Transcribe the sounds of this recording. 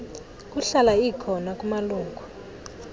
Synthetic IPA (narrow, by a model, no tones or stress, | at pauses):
k̬ʼuɬalaikʰɔnakʼumaluːŋku